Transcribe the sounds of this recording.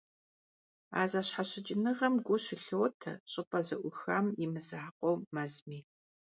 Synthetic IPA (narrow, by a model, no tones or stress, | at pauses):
a̰ːzaːɕħaɕɪd͡ʒʼɪnɨʁɐmɡʷʊɕɪɬowtʰɐ̰ɕʼɨpʼɐzɐʔʷʊxamjɪmɨzaħaqʷʼowmɐzmiː